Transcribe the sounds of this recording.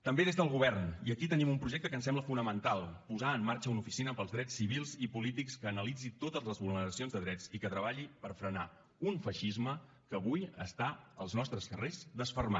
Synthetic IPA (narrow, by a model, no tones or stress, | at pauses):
t̪əmbeðezðəlˠɣuβɛrniəkit̪ənimumpɾuʒɛk̚t̪əkənsɛmbləfunəmənt̪alˠpuzaəmːaɾt͡ʃəunufisinəpəlˠzðɾɛt͡sːiβilˠzipulit̪ikskəːnəlid͡zit̪ot̪əzləzβulnnəɾəsionzðəðɾɛt͡sikət̪ɾəβaʎipəɾfɾəna | unfəʃizmə | kəːβujə̰st̪aəlˠznɔst̪ɾəskərezðəsfərma